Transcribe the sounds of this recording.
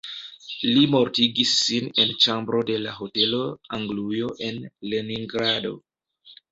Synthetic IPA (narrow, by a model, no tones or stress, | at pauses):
limo̞ɾtiɡisːine̞nt͡ʃambɾo̞de̞laɦo̞te̞lo̞aŋɡlujo̞ʔe̞nle̞niŋɡɾado̞̰